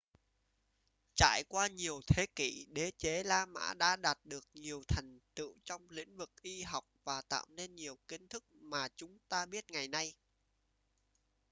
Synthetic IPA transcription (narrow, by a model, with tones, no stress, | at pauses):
t͡ɕa̰ː˧˨jkwaː˧ɲi˨˩əwt̪ʰe˨˦kḭ˧˨ɗe˨˦t͡ɕe˨˦laː˧ma̰ː˧˥ɗa̰ː˧˥ɗaː˨˩t̚ɗɨ˨˩ək̚ɲi˨˩əwt̪ʰə˨˩jŋ̟t̪ɨ̰˧˨wt͡ɕɔ˧wŋ͡mlḭ˧˥ŋ̟vɨ˨˩k̚ʔi˧ɦa˨˩wk͡p̚vaː˨˩t̪a̰ː˧˨wne˧nɲi˨˩əwkï˧ŋ̟t̪ʰɨ˦˥k̚maː˨˩t͡ɕʊ˨˦ŋ͡mt̪aː˧ɓi˦˥ət̚ŋa˨˩jna˧j